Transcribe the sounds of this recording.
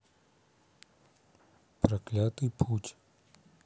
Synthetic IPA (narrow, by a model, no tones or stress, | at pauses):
pɾɐklʲat̪ɨjpʰutʲ